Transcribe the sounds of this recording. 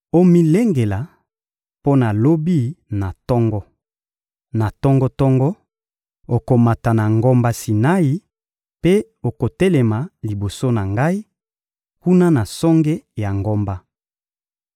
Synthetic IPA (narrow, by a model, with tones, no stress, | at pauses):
o˦mi˦le˦ŋɡe˨la˨ | po˦na˨lo˦bi˦na˨tɔ˦ŋɡɔ˦ | na˨tɔ˦ŋɡɔ˦tɔ˦ŋɡɔ˦ | o˨ko˨ma˨ta˨na˨ŋɡo˦mba˦si˨na˦i˨ | pe˦ | o˨ko˨te˦lɛ˨ma˨li˨bo˨so˦na˨ŋɡa˦i˦ | ku˦na˦na˨sɔ˦ŋɡe˦ja˨ŋɡo˦mba˦